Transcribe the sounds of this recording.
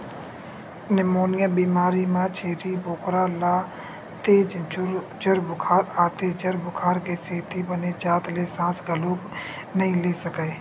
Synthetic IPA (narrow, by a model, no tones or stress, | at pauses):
nemoːnɪjaːbiːmaːɾimãːt͡ʃʰeːɾibʱoːkɾaːlaː | t̪eːd͡ʒ | d͡ʒəɾbʊkʰaːɾaːt̪eːd͡ʒəɾbʱʊkʰaːɾkeːseːt̪ibəneːt͡ʃaːt̪leːsãːsɡəloːb | nəɦĩleːsəkeː